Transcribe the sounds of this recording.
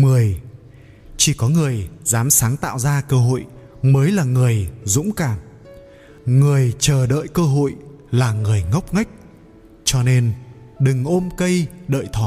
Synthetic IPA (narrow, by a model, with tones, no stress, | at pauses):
mɨ˨˩əj | t͡ɕi˧˩kɔ˨˦ŋɨ˨˩əjzaː˨˦msaː˨˦ŋt̪a̰ː˧˨wzaː˧kəː˧ɦo̰˧˨jməː˨˦jlaː˨˩ŋɨ˨˩əjzʊ̰˧˥ŋ͡mkaː˨˩m | ŋɨ˨˩əjt͡ɕəː˨˩ɗə̰ː˧˨jkəː˧ɦo̰˧˨jlaː˨˩ŋɨ˨˩əjŋə˦˥wk͡p̚ŋa˦˥jk̟̚ | t͡ɕɔ˧ne˧nɗɨ˨˩ŋʔo˧mkə˧jɗə̰ː˧˨jt̪ʰɔ˨˩˦